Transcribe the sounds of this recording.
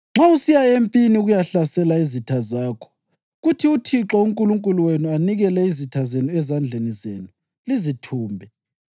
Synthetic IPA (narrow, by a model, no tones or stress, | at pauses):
ŋ͡ǁausijaempʼiniɣujaɬasɛlaizitʰazaːkʰɔ̥ | ɣutʰiutʰiǁɔuŋkʼuluŋkʼuluwenuaniɣɛlɛizitʰazenuɛzand͡ɮʱenizḛːnu | lizitʰuːmbʱɛ